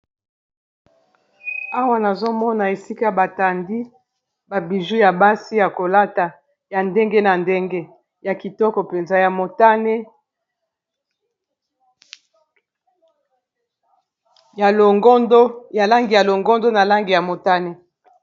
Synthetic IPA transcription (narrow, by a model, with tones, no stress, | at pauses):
a˦wa˦na˨zo˦mɔ˦na˨e˨si˦ka˦a˨ba˨ta˨ndi˦ | ba˨bi˨ʒu˦ja˨ba˦si˦ja˨ko˨la˦ta˨ | ja˨nde˦ŋɡe˦na˨nde˦ŋɡe˦ | ja˨ki˨tɔ˦kɔ˨pe˨nza˨ja˨mo˨ta˦ne˦ | ja˨lo˨ŋɡo˦ndo˦ja˨la˦ŋɡi˨ja˨lo˨ŋɡɔ˦ndo˦na˨la˦ŋɡi˨ja˨mo˨ta˦ne˦